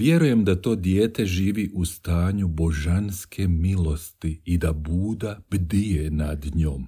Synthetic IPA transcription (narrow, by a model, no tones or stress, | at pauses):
ʋje̞ɾuje̞md̪at̪o̞ːd̪jeːt̪e̞ʒiːʋiːʔust̪aːɲubo̞ʒanskʰe̞milo̞st̪iid̪abuːd̪ab̥d̪ijenad̪ɲoːm